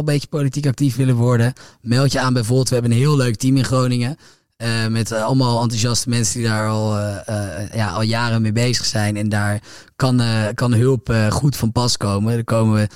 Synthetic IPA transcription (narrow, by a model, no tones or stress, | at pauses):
mbejjə̥powlitikɑk̚tifʋɪlənʋɔɹdəmɛlˠtjəaːnbɛjvʊːɹbɪlˠtʋəɦɛbənənɦɪːlˠløɥk̚timɪnχrownɪŋə | mɛtɑlˠəmaːlˠɑntuʒɑstəmɛnsəndidaːɹɑlˠ | jaːʔɑ̰lˠjaːrəmejbejzə̥χsɛjnɛndaːɹ | kɑnkɑnɦɵlˠpχutfɑnpɑskowmədəkowməʋə